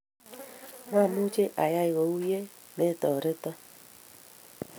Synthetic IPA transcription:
ma˦˨mu˦t͡ʃe˦ʔa˨ja˦i˨ɣo˨u˦je˦ | me˦tɔ˨ɾe˦tɔ˦

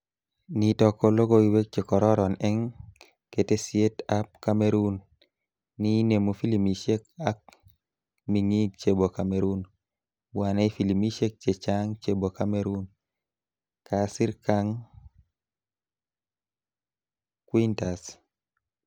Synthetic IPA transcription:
nitɔ˨kɔ˧lo˦ɡo˦iwe˦k̚t͡ʃe˨kɔ˨ɾɔ˦ɾɔ˨nɛ˦ŋ | ke˨te˦sje˦tap̚kameɾu˦nː | i˦ne˨mu˨fi˦li˨mi˨ʃe˦ka˦k̚ | mi˨ŋi˦ɡ̚t͡ʃe˨bo˨kameɾu˦n | bwa˨nɛ˦i˦fi˨li˨mi˦ʃe˦k̚t͡ʃe˨t͡ʃaŋt͡ʃe˦bo˨ka˦meɾu˦n | kʰasi˦ɾkaŋ | kwi˦nta˨s

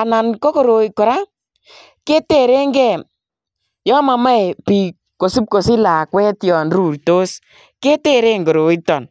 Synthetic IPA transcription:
a˨na˨nko˦ko˨ɾo˨i˨kɔ˨ɾa˦ | ke˦te˦˨ɾe˦ŋɡɛ˦˨ | jɔ˦ma˨ma˦jpi˨ | ko˨su˦p̚ko˨si˦la˨kwɛ˦tjɔ˨nɾu˨ɾto˦s | ke˦te˦˨ɾe˦ŋɡo˨ɾo˨i˦tɔ˨n

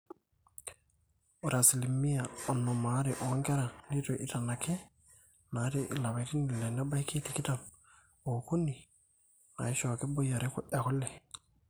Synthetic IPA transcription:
u˨ɾa˨si˨li˨mːi˦ja˨o˨nːo˨ma˨˦ɾi˨ʔo˨˦ŋke˦ɾa˨ni˦to˨ʔi˨ta˨na˨ke˦ | na˨˦te˦ʔḭ˨la˨ba˨ti˦ni˨le˨na˦ba˦jkʰi˦ti˨ki˦ta˨n | o˨ku˦nːi˨ | ŋa̰˨i˦ʃo˨ke˦bo˦ja˨ɾe˦ku˦ʔe˨ko˦lːe˨

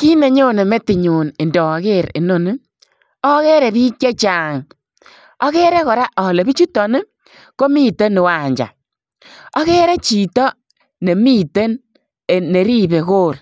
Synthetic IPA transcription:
ki˦ne˨ɲo˦ne˨me˦tɪ˨ɲu˨ne˨ndɔ˨ke˦˨ɾḛ˨no˨nɪ˦ | ɔ˦ke˦ɾɛ˨bi˦kje˦t͡ʃa˨ŋ | ɔ˦ɣe˦ɾɛ˦kɔ˨ɾa˦ʔɔ˨le˨bi˦t͡ʃu˦tːɔ˨nɪ˦ | ko˦mi˦te˦ne˨wa˨ɲd͡ʒa̰˨ | ɔ˦ɣɛ˦ɾɛ˦t͡ʃi˨tɔ˦ | ne˨mi˦te˦n | e˨ne˨ɾi˦be˨koː˦˨r

